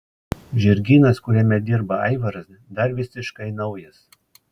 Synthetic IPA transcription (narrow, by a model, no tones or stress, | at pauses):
ʒʲɪɾʲɡʲiːnɐskʊɾʲɛmʲɛd̪ʲɪɾbɐɐɪʋɐɾɐs | d̪ɐɾʋʲɪsʲɪʃkɐɪnɐʊjɛs